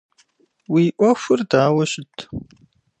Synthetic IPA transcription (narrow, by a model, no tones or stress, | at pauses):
wiːʔʷɐxʷʊrdaːwɐɕɪtʰ